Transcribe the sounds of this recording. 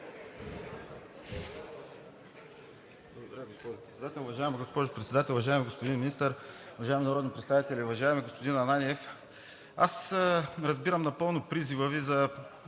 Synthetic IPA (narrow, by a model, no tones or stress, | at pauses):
blˠɐɡod̪ɐɾʲaɡospɔʒʊpɾɛt̪sɛd̪at̪ɛlˠuvɐʒaɛmiɡospɔʒʊpɾɛt̪sɛd̪at̪ɛlˠvɐʒaɛmiɡospʊd̪inminist̪əɾuvɐʒaɛminɐɾɔd̪nipɾɛt̪st̪avit̪ɛlʲɛuvɐʒaɛmiɡospod̪inɐnaniɛf | a̰sɾɐzbiɾəmnɐpɤlˠnopɾizivəvizɐ